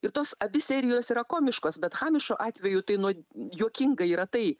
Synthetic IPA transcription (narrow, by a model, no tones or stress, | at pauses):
ɪrt̪oːsɐbʲɪsʲɛːɾʲɪjoːsiːɾɐkoːmʲɪʃkoːsbʲɛt̪xɑːmʲɪʃoːʔɑːt̪ʲʋʲɛjʊt̪ɐɪnuɔjuɔkʲɪŋɡɐiːɾɐt̪ɐɪ